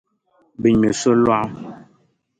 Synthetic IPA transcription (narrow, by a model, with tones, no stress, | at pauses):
bi˨ɲme˨so˦lwa˦